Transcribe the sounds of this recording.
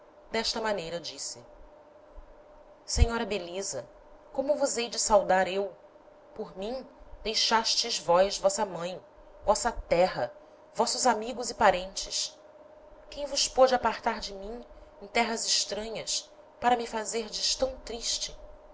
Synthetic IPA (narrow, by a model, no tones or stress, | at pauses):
d̪ɛʃt̪ɐmɐ̃nejɾɐd͡ʒisɪ̰ | seɲɔɾɐbelizɐ | kõmʊvʊzejd͡ʒɪsawd̪aɾew | poɾmĩd̪ejʃaʃt͡ʃɪzvɔjzvɔsɐmɐ̃j̃ | vɔsɐt̪ɛɦɐ | vɔsʊzamiɡʊzɪpaɾẽnt͡ʃɪs | kẽj̃vʊspɔd͡ʒɪapaɾt̪aɾd͡ʒɪmĩŋẽj̃t̪ɛɦɐzɪʃt̪ɾɐ̃ɲɐs | paɾɐmifazeɾd͡ʒɪʃt̪ɐ̃w̃t̪ɾiʃt͡ʃɪ